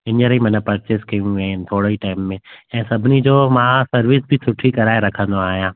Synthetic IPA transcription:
ɪnəɾimɐ̃nə̃pɐɾt͡ɕeskɐjũːɪnɪt̪ʰoːɽoiʈaːɪmːẽɛ̃ːsɐbʱɪnid͡ʑoːmãːsɐɾʋɪsbʱɪsʊʈʰikɐɾaːeɾɐkʰə̃nd̪oaːɦijãː

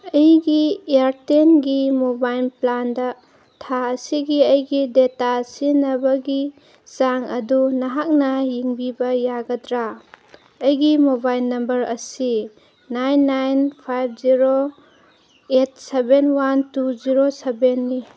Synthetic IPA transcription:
ɐjɡiejaɾtenɡimobajlplandɐ | tʰaɐsiɡiɐjɡidetasinɐbɐɡi | zaŋɐ̰dunɐɦak̚nɐjiŋbibɐjaɡɐdɾa | ɐjɡimobajlːɐmbɐɾɐsi | najnːajnpʰajb̚ʰziɾo | et̚sebenwantuziɾosebenːi

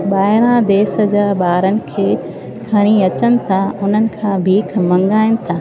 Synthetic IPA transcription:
ɓaːɪɽ̃ãd̪eːsə̆d͡ʑaːɓaːɾənɪ̆kʰeː | kʰɐɽ̃iɐt͡ɕənɪ̆t̪ʰaʊn̤ənɪ̆kʰãːbʱiːkʰmɐ̃ŋɡaːɪnɪ̆t̪ʰaː

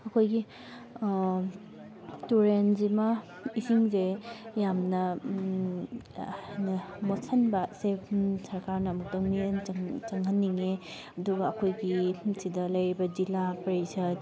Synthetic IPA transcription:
ɐkʰojɡi | tuɾenzima | isiŋzejamnɐ | nɐmosʰɐnbasesɐɾkaɾnɐːmuk̚tɐminŋt͡ʃɐŋhɐnːiŋe | ɐduɡɐːkʰojɡisidɐlɐjɾibɐd͡ʒilapɐɾisɐd

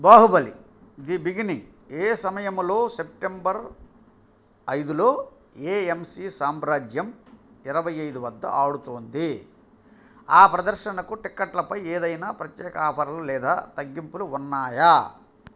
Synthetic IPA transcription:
baːɦubɐlḭ | id̪ibiɡinieːsɐmɐjɐmlo̞ːse̞p̚ʈembɐɾ | ɐjd̪uloː | eːemsiːsaːmɾaːd͡ʒjɐm | iɾɐʋɐjɐjd̪uʋɐd̪ːɐ̰ʔaːɽut̪oːnd̪i | aːpɾɐd̪ɐɾʃɐnɐkuʈikːɐʈlɐpɐjeːd̪ɐjnaːpɾɐt̪jɛːkɐaːpʰɐɾɐlulɛːd̪a̰ːt̪ɐɡːimpuluːnːaːja

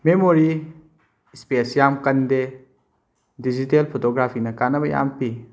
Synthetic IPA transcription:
memoɾi | spesjamkɐnde | did͡ʒitelpʰotoɡɾapʰinɐkanɐbɐja̰mpi

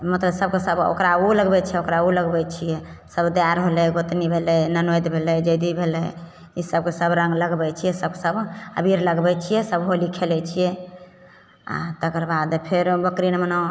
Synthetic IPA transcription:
mət̪ləbsəb̚kesəbo̰kɾauləɡbɛt͡ʃʰɛokɾauləɡbɛt͡ʃʰijɛ | səbd̪jaɾɦolɛɡot̪nibʱelɛnənojd̪bʱelɛd͡ʒəjd̪ibʱelɛj | isəb̚kesəbɾə̃ŋɡləɡbɛt͡ʃʰijɛsəb̚kesəbə̰bʱiɾləɡbɛt͡ʃʰijɛsəbɦolikʰelɛt͡ʃʰijɛ | a̰t̪əkəɾbad̪pʰeɾbəkɾinməna

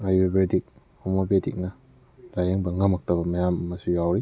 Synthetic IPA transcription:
ajubeɾdik̚ | homobedik̚nɐ | lajeŋbɐŋɐmɐk̚tɐbɐmɐjamɐmɐsujawɾi

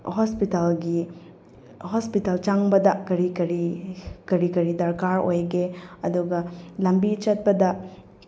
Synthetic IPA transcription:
hospitalɡi | hospitalt͡ʃaŋbɐdɐkɐɾikɐɾikɐɾikɐɾidɐɾkaɾojɡeɐduɡɐlɐmbit͡ʃɐt̚pɐdɐ

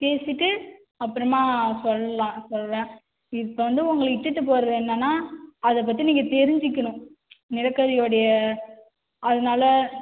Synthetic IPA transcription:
peːsɪʈːɯ | ɐpːɯɾɐmaːsɔlːɐlãːsɔlːlãː | ɪɯpːɐʋɐnd̪ɯʊŋɡɐɭɪʈːɯʈːɯp̬oːɾɐðɯɛnːɐnːaːɐðɐp̬ːɐt̪̬ːiniːŋɡɐt̪ɛɾɪɲd͡ʒɪkːɐɳʊ̃ | nɪɾɐkːɐðɪjoːɽɐjɐ | ɐðɐnaːlɐ

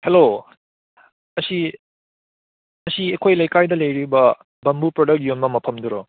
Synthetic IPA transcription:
helo | ɐsi | ɐsiekʰojlɐjkajdɐlɐjɾibɐ | bɐmbupɾodɐk̚t̚jonmɐmɐpʰɐmduɾɔ̰

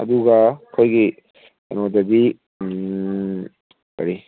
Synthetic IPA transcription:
ɐ̰d̪uɡɐkʰojɡi | ɐ̰nod̪ɐbi | kɐ̰ɾi

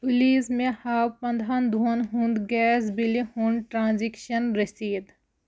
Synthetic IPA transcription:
pʊliːsmẽhaːwpɐ̃nd̪ʱaːnd̪ʱuɐnɦũnd̪ɡɛːs̬bilihũɳɖʈɾãːnzikʃɐnɾesiːd̪

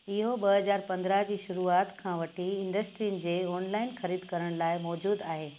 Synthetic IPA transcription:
ɪɦoɓɐɦɐzaːɾpɐ̃nd̪ɾaɦd͡ʑiːʃʊɾuaːt̪kʰãːʋɐʈʰiɪ̃ɳɖəsʈɾijnɪ̆d͡ʑeːɔːnlaːɪnxɐɾiːd̪kɐɾəɽ̃laːɪmɔːd͡ʑuːd̪aːɦeː

